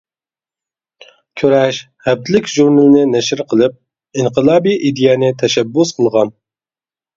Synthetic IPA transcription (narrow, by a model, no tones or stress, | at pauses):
kʲʰøɾɛʃ | hɛb̚t̪ʰlɪkʲʒuɾnɨlɨnɪnɛʃɪɾqʰəlˠɨp̚ | inqʰəlˠɑːbiʔid̪ijɛːnɪt̪ʰɛʃɛbːusqʰəlˠʁɑn